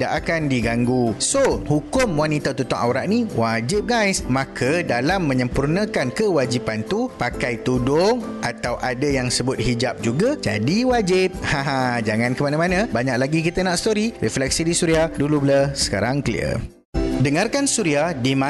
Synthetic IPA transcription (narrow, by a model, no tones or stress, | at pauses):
da̰ʔakandiɡaŋɡusohukʊmwanit̪at̪ut̪aŋa̰wɾa̰ʔnĩwad͡ʒɪp̚ɡajsmãkʰədalamːə̃ɲə̃mpurnə̃kankəwad͡ʒipant̪upakajt̪udʊŋʔat̪awʔadajaŋsəbʊt̪̚hid͡ʒap̚d͡ʒuɡad͡ʒa̰diwad͡ʒɪp̚hãɦad͡ʒaŋãnkəmanãmanãbaɲak̚laɡikit̪ənaʔst̪oɾirɛflɛk̚sidisuɾiahdulubləsə̥ka̰ɾaŋklḭə̰ | dəŋarkansuɾiahdimã